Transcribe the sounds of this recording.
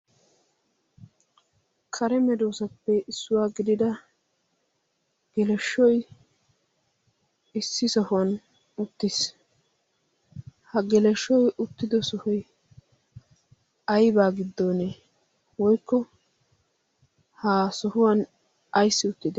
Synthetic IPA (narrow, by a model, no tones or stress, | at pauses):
kʰɐɾɛmɛd̪oːsɐpːɛʔɪsːʊwaːɡɪd̪ɪd̪ɐ | ɡ̥ɛlɛʃːɔj | ɪsːɪsɔhʊwɐn | ʊt̪ːɪs | hɐɡɛlɛʃːɔjʊt̪ːɪd̪ɔsɔhɔj | ɐjbaːɡɪd̪ːo̞ːne | wɔjkːɔ | haːsɔhʊwɐn | ɐjsːɪʊt̪ːɪd̪ɛ